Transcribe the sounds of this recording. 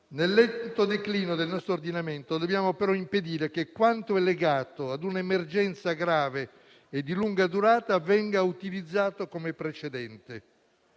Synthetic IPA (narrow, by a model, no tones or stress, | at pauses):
nelːɛt̪ːod̪ekliːnod̪elnɔst̪ɾoːrd̪inament̪od̪objaːmopeɾɔimped̪iːɾekekːwant̪oɛlːeɡaːt̪oad̪unemerd͡ʒɛnt̪saɡɾaːve | ed̪ːiluŋɡad̪uɾaːt̪avɛŋɡaut̪ilid̪zːaːt̪okomepɾet͡ʃed̪ɛnt̪e